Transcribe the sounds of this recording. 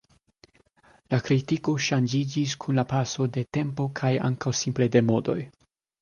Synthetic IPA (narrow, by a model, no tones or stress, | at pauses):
lakɾitiko̞ʃand͡ʒid͡ʒiskʰunlapaso̞de̞te̞mpo̞kʰaja̰ŋkawsimple̞de̞mo̞do̞̰j